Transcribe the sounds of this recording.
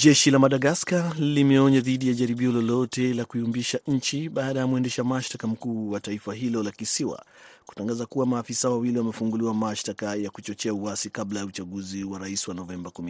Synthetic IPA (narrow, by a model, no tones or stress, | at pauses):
d͡ʒɛʃilamaɗaɡaskalimɛɔɲaðiɗijaʄaɾiɓiɔlɔlɔtɛlakuiumbiʃaɲ̩t͡ʃiɓaːɗajamuɛndɛʃamaʃtakam̩kuːwataifaɦilɔlakisiwa̰ | ku̥taŋɡazakuwamaːfisawawiliwamɛfuŋɡuliwamaʃtakajakut͡ʃɔt͡ʃɛauwasikablajaut͡ʃaɡuziwaɾaiswanɔvɛmbakumi